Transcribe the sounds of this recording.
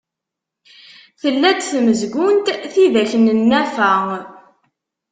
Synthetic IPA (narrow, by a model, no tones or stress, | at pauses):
θəlːæd̪θməzɡʊnt̪θiðæçənənːæfæ